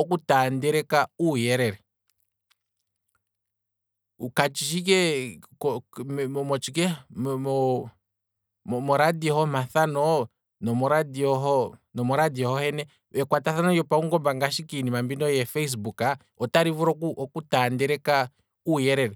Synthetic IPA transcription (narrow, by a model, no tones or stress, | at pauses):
ɔkutaːndɛɾɛkaujɛɾɛɾɛ | ukat͡ʃiʃik̬ɛkɔmɔmɔt͡ʃikɛmmɔ | mɔɾadiɔhɔmaθanɔ | nɔmɔɾadiɔɦɔnɔmɔɾadiɔhɔhɛnɛ | ɛkwataθanɔjɔpauŋɡɔmbaŋɡaʃikinimambinɔjɛfɛis̬buka | ɔtaɾivuɾɔkuʔɔkutandɛɾɛka | ujɛɾɛɾɛ